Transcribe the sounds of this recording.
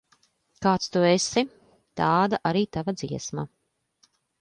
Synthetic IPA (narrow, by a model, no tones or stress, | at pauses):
kaːt̪st̪uesi | t̪aːd̪aʔaɾiːt̪avad̪ziɛsma